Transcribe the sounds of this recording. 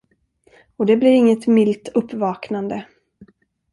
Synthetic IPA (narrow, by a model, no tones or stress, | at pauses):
ɔd̪ɛblɪɾɪŋːət̪mɪlt̪ɵpːvɑːknand̪ə